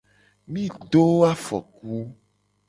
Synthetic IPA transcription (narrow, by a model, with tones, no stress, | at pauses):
mĩ˦ɖo˦a˦fɔ̰˨k̚u˦